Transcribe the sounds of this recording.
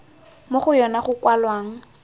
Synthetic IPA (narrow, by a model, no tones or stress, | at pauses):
moχʊjɔnaχʊkwalwaːŋ̩